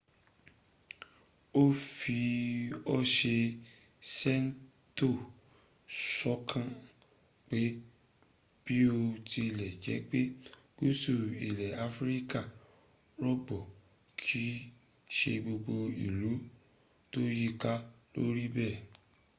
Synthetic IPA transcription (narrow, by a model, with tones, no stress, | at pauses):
o˦fi˧ɔ˦ʃe˧ | sɛ˦n˦ | to˦˨ | sɔ˦kʰã˦˨ | k͡pe˨˦ | b̥i˦o˧ti˧lɛ˨d͡ʒɛ˨˦k͡pe˦ | ɡ̥u˦˨su˦˨i˨lɛ˨a˧fɾi˦ka˦˨ | ɾɔ˦ɡ͡bɔ˨ | kʰi˨˦ | ʃe˧ɡ͡bo˧ɡ͡bo˧i˨lu˨˦ | to˦ji˦ka˦lo̰˦ɾi˦bɛ˦˨